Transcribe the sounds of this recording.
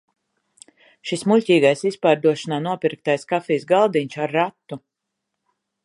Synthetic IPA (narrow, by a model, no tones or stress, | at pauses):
ʃismulʲcʲiːɡajsispaːɾd̪uɔʃanaːnuɔpiɾk̚t̪ajskafiːsɡalˠd̪iɲʲʃaɾːat̪ːu